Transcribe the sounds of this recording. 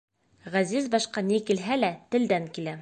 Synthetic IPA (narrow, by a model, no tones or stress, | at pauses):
ʁæzizbɒʃqɑnikilɦælæt̪ɘ̆ld̪æŋkilæ